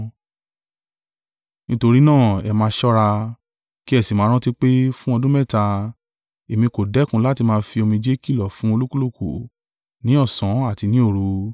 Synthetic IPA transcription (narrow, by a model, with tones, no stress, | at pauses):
nĩ˦to˧ɾi˦nãː˦˨ɛ˨mãː˧˦ʃɔ˦ɾa˧ | ki˦ɛ˦˨si˨mãː˨˦ɾɔ̃˦ti˦k͡pe˦fũ˦ɔ˧dũ˦mɛ˦˨ta˧ | e˨mĩ˧ko˨dɛ˨˦kũ˦la˦ti˧mãː˧˦˧fi˧o˧mĩ˧d͡ʒe˦ki˦˨lɔ˨fũ˨˦o˧lu˦ku˦lo˦˨ku˨ | nĩ˨˦ɔ˦˨sɔ̃˨˦a˦˨ti˧nĩ˨˦o˦˨ɾu˧˦